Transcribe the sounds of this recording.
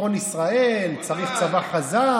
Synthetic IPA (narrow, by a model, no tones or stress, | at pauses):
olisʁaelt͡saʁift͡savaχaza